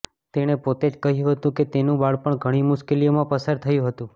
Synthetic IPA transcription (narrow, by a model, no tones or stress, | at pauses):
t̪eɽ̃epot̪ed͡ʒkəɦijũɦət̪ũket̪enũbaɭpəɳɡʱəɽ̃imʊʃkelijomãpəsaɾt̪ʰəjũɦət̪ũ